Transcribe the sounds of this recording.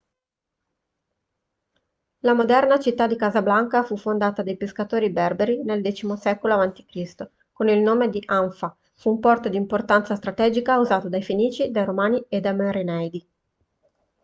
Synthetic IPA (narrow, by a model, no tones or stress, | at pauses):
lamod̪ɛrnat͡ʃit̪ːad̪ːikaːzablaŋkafufːond̪aːt̪ad̪ajpeskat̪oːɾibɛrbeɾineld̪ɛːt͡ʃimosɛkoloavant̪i̥kɾist̪o | konilnoːmed̪iʔaɱfa | fuːmpɔrt̪od̪iːmport̪ant̪sast̪ɾat̪ɛːd͡ʒikauzaːt̪od̪ajfeniːt͡ʃid̪ajɾomaːnied̪ːameɾenɛjd̪i